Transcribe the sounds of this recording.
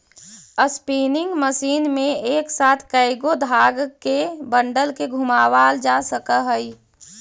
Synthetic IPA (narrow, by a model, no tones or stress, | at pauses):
əspiːnɪŋɡməsiːnmẽeːksaːt̪ʰkəɪɡod̪ʱaːɡkebəɳɖəlkeɡʱumaːwaːld͡ʒasəkəɦəi